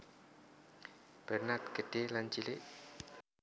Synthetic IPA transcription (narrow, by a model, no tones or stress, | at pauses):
b̥ərnat̪̚kədelant͡ʃileʔ